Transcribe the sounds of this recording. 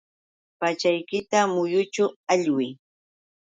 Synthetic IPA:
pat͡ʃajkɪt̪amʊjʊt͡ʃʊaʎwɪ

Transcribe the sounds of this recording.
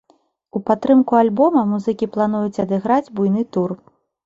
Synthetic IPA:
upat̪ːɾɨmkualʲbɔmɐmuzɨkʲiplˠan̪ujut͡sʲɐd̪ɨɣɾad͡zʲbujnɨt̪ur

